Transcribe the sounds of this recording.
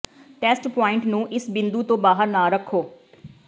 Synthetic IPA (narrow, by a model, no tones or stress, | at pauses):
ʈɛːsʈpɔːɪ̃ɳʈnũːʔɪsbɪnd̪uːt̪õːbaːɦəɾnaːɾəkʰːoː